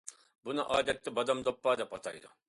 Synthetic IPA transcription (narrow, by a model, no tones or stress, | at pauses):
bunɨʔɑːd̪ɛt̪ːɪbɑd̪ɑmd̪opːɑːd̪ɛpɑt̪ʰɑ̰jd̪ʊ̰